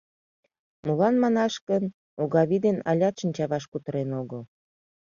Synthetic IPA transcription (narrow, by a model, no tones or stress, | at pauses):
mulɑnmɑnɑʃkən | uɣɑβid̪enɑ̰lʲɑt̪ʃənʲt͡ɕɑβɑʃkut̪əɾenoɣəl